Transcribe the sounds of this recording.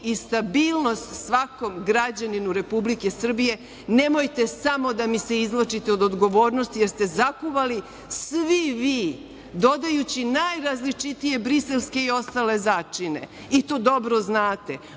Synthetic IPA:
ist̪abiːlˠno̞st̪sʋako̞mɡɾad͡ʑaninuɾe̞publike̞sr̩bije̞ | ne̞mo̞jt̪e̞samo̞d̪amise̞izlˠot͡ʃit̪eod̪od̪ɡo̞ʋo̞ːɾnost̪ije̞ɾst̪e̞zakuʋali | sʋiʋiː | d̪o̞d̪ajut͡ɕinajɾazlit͡ʃit̪ije̞bɾise̞lske̞io̞st̪ale̞zaːt͡ʃine̞̰ | it̪oːd̪o̞bɾo̞znaːt̪e̞

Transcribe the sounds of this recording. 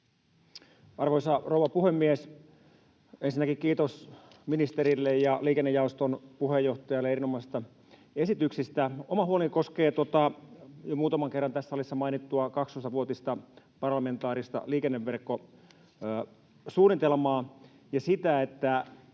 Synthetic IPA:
ɑrʋoisɑrouʋɑpuhemːies | ensinːækikkiːt̪os | minist̪eɾilːejjɑliːkenːejɑost̪onpuhejːoht̪ɑjɑlːeeɾinomɑˑisi̥st̪ɑ | e̞sit̪yksist̪æomɑhuoliko̞skeːt̪ot̪ɑjomuːt̪ɑmɑŋkerːɑnt̪æsːæolisːɑmɑinit̪ːuɑkɑkst̪ost̪ɑʋuot̪ist̪ɑ | pɑrlɑment̪ɑːɾist̪ɑ̰liːkenːeʋːerkːo | suːnːit̪elmɑː | jɑsit̪æet̪ːæ

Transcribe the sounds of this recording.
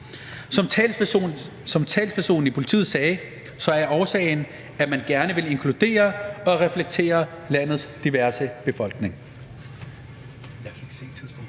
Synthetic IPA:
sɒ̽mʰɛl | sɒ̽mt͡sʰɛ̰ːlspʰæɐso̝̰ːn̩ipʰo̝li̥t͡sʰḭːð̩ˠsɛː | sɒ̽æɐɒʊsɛ̰ɪn | æmænɡ̥æɐnəʋe̝le̝ŋkʰlud̥e̝̰ːɐɒ̽ʁɛfleɡ̥̚t͡sʰe̝̰ːɐ | læn̰ð̩ˠsd̥iʋæɐsəb̥e̝fɒ̽lɡ̥ne̝ŋ

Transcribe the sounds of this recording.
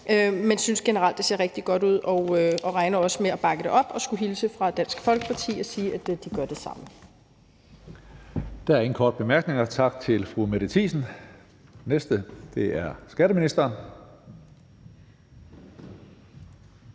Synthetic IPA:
ʔømensynsɡ̥e̝nəʁɑ̈l̰d̥e̝se̝ɐʁeɡ̥̚d̥iɡ̥ɒ̽ɾ̥uð̞̰ˠɒ̽ʊøɒ̽ʁɑ̈ɪnɐɒ̽səmeɒb̥ɑ̈ɡ̥əd̥e̝ʔɒ̽b̥ɒ̽sɡ̥uɦilsəfʁɑ̈d̥æn̰sɡ̥fɒ̽lɡ̥əpʰɑ̈t͡sʰḭːɒ̽siːʔæd̥d̥iɡ̥ɶɐd̥e̝sɑ̈m̰ə | d̥æɐen̩kʰɒːd̥̚b̥e̝mæɐɡ̥ne̝ŋɐt͡sʰɑ̈ɡ̥̚t͡sʰe̝lfʁumeɾ̥ət͡sʰḭːsn̩ | nesd̥əd̥e̝æɐsɡ̥æɾ̥əminisd̥ɐːn

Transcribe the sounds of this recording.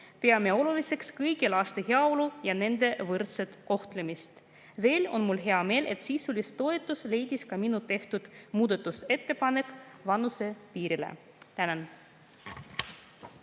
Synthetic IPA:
pe̞ɑmeo̞lulise̞kskɤjɡilɑːst̪eɦeɑo̞lujɑne̞nd̪̥e̞vɤrt̪set̪ko̞ht̪lemist̪ | ve̞ːlo̞̰nmulɦeɑme̞ːlʔe̞̰t̪siːsulʲist̪o̞e̞t̪ːˑusle̞jd̪̥iskɑminut̪e̞ht̪ud̪̥muːd̪et̪ːˑuse̞t̪ːe̞pɑne̞kːˑvɑnuse̞piːɾilḛ | t̪ænen

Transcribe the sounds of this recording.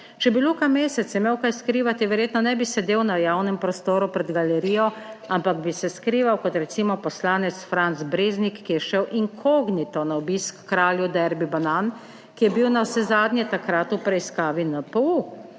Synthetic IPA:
t͡ʃɛbilukameːsɛt̪sɛmeːwkajskɾiːʋat̪iʋɛɾjeːt̪nɔnɛbisɛd̪eːwnajaːwnɛmpɾɔst̪oːɾupɾɛd̪ɡalɛɾiːjɔampaɡbisɛskɾiːʋawkɔt̪ɾɛt̪siːmɔpɔslaːnɛt̪sfɾant̪zbɾeːznikːijɛʃɛwʔiŋkʰoːɡnit̪ɔnaɔbiːskːɾaːljud̪ɛɾbibanan | kijɛbiwnawsɛzaːd̪ɲʲjɛt̪akɾat̪upɾɛiskaːʋinapəu

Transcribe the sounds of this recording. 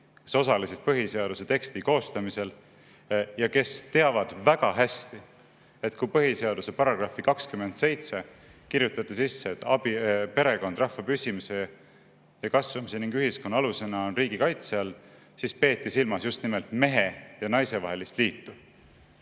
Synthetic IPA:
ke̞so̞sɑlisid̪̥̚pɤɦise̞ɑd̪̥use̞t̪e̞kst̪iko̞ːst̪ɑmise̞l | jɑke̞st̪e̞ɑvɑd̪̥væɡ̥ɑɦæst̪i | e̞t̪kujpɤɦise̞ɑd̪̥use̞pɑɾɑɡ̥rɑfikɑkskymːe̞nt̪se̞jt̪se̞ | kiɾjut̪ːˑɑt̪ːˑisisːeːt̪ːɑbipe̞ɾe̞ko̞nd̪̥rɑhvɑpysʲimise̞ | jɑkɑsvɑmise̞niŋɡyɦisko̞nːɑɑluse̞nɑonriːɡ̥ikɑjt̪seɑl | sispe̞ːt̪ːisilmɑsjust̪nimelt̪me̞ɦe̞jɑnɑjse̞vɑɦe̞list̪liːt̪ːu

